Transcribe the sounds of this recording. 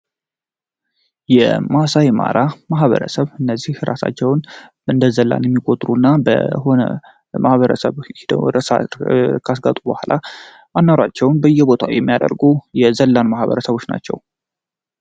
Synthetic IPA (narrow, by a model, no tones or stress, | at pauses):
jɛ̰masajma̰ɾamaɦβə̰ɾə̰səβɨnːəzːihɾa̰sa̰t͡ʃːɛwn | ɨnd̪əzəlːa̰njɛmːikʼo̞t̪ʼɾunːabə̰ho̞nə̰ | mahβəɾəsəβhid̪ɾəsa̰kʰasɡat̪ʼubəhʷlʔa | manːaɾat͡ʃːɛwnbəjːɛbo̞t̪ʰawjɛmːijad̪ə̰ɾɡujɛzəlːanmahβə̰ɾəsəβo̞t͡ʃːna̰t͡ʃːɛ̰w